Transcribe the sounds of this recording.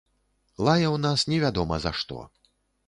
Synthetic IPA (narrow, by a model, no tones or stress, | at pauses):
lˠajɐwnasnʲɛvʲad̪ɔmɐza̰ʂt̪ɔ̰